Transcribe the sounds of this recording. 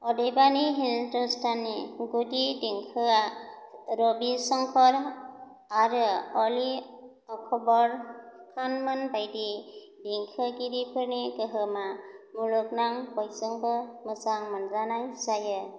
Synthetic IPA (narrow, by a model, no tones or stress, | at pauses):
ɔdejbaniɦintɔstanːiɡudidiŋkʰɯ | ɾɔbisɔŋkʰɔɾ | aɾɯɔli | ɔkʰɔbɔɾkʰanmanbajdi | diŋkʰɯɡiɾipʰɯɾnekɯɦɯmamuluk̚naŋbɔjsɯŋbɯmɯsaŋmanzanajsajɯ